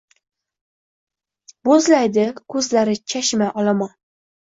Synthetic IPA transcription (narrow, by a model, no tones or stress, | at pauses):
bozlajd̪ɪkʰɵzlaɾɪt͡ʃʰaʃmaʔɒlamɒn